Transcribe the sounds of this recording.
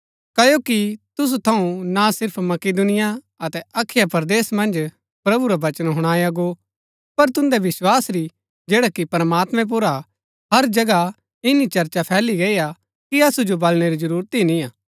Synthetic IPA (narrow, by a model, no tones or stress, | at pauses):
kɐjokit̪ʊs̬ut̪ʰɐũnasɪɾpʰmɐked̪ʊnɪja | ɐt̪ɛɐkʰːɪjapɐɾd̪eːsmɐ̃nd͡ʒ | pɾɐbuɾaʋɐt͡ʃənɦʊɽ̃aːjaɡo | pɐɾt̪ʊ̃nd̪ɛʋɪswaːsɾi | d͡ʒeːɽakipɐɾmaːt̪mɛ̃p̬ʊɾa | ɦɐɾd͡ʒɐɡa | ɪnit͡ʃɐɾt͡ʃapʰɛːliɡeija | kiɐsud͡ʒobɐlɽ̃eɾid͡ʒɐɾuːɾt̪inĩaː